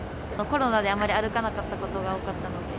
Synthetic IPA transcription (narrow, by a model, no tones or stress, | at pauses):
noko̞ɾo̞nad̪e̞amːaɾʲiaɾɯ̟kanakat̪ːako̞t̪o̞ɡaokat̪ːano̞d̪e